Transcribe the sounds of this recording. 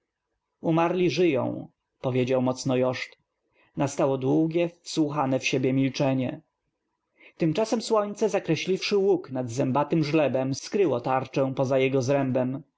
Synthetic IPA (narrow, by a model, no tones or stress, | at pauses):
umaɾlʲiʐɘjɔ̰̃w̃ | pɔvʲjed͡ʑawmɔt̪snɔjɔʂt̪ | nast̪awɔd̪wuɡʲjɛfswuxanɛfɕebʲjɛmʲilt͡ʂɛɲɛ | t̪ɘmt͡ʂasɛmswɔɲt̪sɛzakɾɛɕlʲifʂɘwuknad̪zɛmbat̪ɘmʐlɛbɛmsskɾɘwɔt̪aɾt͡ʂɛ̃w̃pɔzajɛɡɔzɾɛmbɛm